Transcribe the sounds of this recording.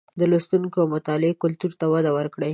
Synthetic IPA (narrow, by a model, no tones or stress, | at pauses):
d̪əlost̪uŋkoamʊt̪ɑlɪekʊlt̪uɾt̪awad̪awəɾkɽe